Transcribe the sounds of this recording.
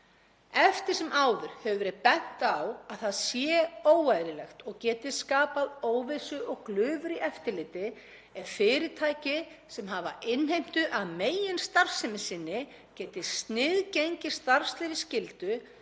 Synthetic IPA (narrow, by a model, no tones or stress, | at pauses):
ɛft̪ɪɾ̥sɛmʔaːwðʏɾ̥hɛvʏvɛɾɪpɛn̥t̪awaðθaðsjɛːoːwajɾɪlɛxt̪ɔɣcɛːt̪ɪskaːpaðoːwvɪsʏʔɔɣklʏːvʏɾiʔɛft̪ɪlɪːt̪ɪ | ɛɾ̥fɪːɾɪt̪ʰaːjcɪsɛmɦava̰ʔɪnɦejm̥t̪ʏʔaðmeːjɪnst̪aɾ̥sɪmɪsɪnːɪ | cɛːt̪ɪst̪nɪðcejɲcɪ̥st̪aɾ̥st̪lɪvɪscɪlt̪ʏ